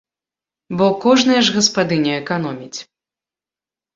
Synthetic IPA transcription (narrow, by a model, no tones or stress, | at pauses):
bɔkɔʐnɐjɐʐɣɐspad̪ɨnʲɛɛkanɔmʲit͡sʲ